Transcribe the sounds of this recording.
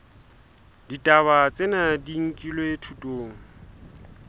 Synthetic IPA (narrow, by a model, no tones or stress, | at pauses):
ditʼaβat͡sʼenadiŋ̩kʼilweetʰutʼoːŋ̩